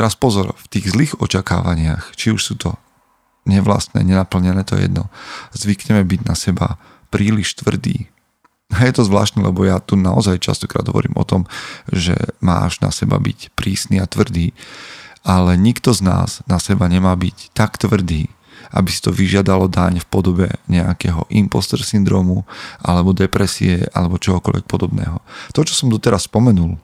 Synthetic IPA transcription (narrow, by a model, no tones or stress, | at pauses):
t̪ɛɾaspɔzɔɾft̪iːɣzliːɣɔt͡ʃaka̰ːʋaɲɪaxt͡ʃiuʃsuːt̪ʰɔ | ɲɛʋla̰st̪nɛ̰ːɲɛnapl̩ɲɛnɛːt̪ɔ̰jɛ̰d̪nɔ̰zʋikɲɛmɛbiɟnasɛba̰ | pɾiːliʃt̪ʋr̩d̪ḭː | ajɛt̪ɔzʋla̰ːʃt̪nɛlʔɛbɔjat̪unaɔzajt͡ʃa̰st̪ɔ̥kɾa̰ːd̪ɦɔ̰ʋɔ̰ɾḭːmʔɔ̰t̪ɔmʒɛ̰ma̰ːʒna̰sɛba̰bḭcpɾiːsniːat̪ʋr̩d̪iː | alɛɲikt̪ɔzna̰ːznasɛbaɲɛmaːbict̪akt̪ʋr̩d̪iː | ʔa̰bisi̥t̪ɔʋiʒɪad̪alɔd̪aɲfpɔd̪ɔbɛ̰ɲɛakɛːɦɔ̰ʔimpɔst̪ɛɾsind̪ɾɔːmuʔa̰lɛbɔd̪ɛpɾɛsḭɛʔa̰lɛbɔt͡ʃɔɦɔkɔlʋɛ̰k̚pɔd̪ɔbnɛ̰ːɦɔt̪ɔt͡ʃɔ̥sɔmd̪ɔt̪ɛɾasspɔmɛnul